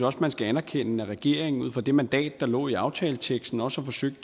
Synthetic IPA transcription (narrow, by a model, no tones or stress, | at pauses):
ɒ̽smænsɡ̥æænɐkʰen̰əæʁɛɡ̥e̝̰ɐ̰e̝ŋ̩uð̰ˠfɒ̽d̥e̝mænd̥ɛ̰ːd̥ːɑ̈lɔ̰̽ːiɑ̈ʊt͡sʰɛːlət͡sʰeɡ̥sd̥n̩ɒ̽sɒfɒ̽søɡ̥̚d̥ə